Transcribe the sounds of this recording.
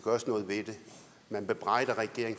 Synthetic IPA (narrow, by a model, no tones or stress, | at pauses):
ɡ̥ɶːɐsnɔ̽ːð̩ˠʋe̝d̥e̝ | mænb̥e̝b̥ʁɑ̈ɪ̰d̥ɐʁɛɡ̥e̝ɐeŋ